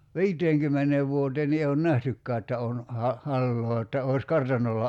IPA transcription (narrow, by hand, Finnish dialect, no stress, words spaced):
ʋi̞iteːŋkymːeneːʋ ʋuoteːn ni eː on næhtykːæː etːæ on hɑ hɑlːoː etːæ oˑi̞s kɑrtɑnˑolːɑ